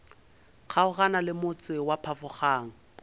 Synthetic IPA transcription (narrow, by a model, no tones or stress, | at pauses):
k͡xʰaʊɣanalɪmʊt͡sʼɪwapʰafʊχaːŋ̩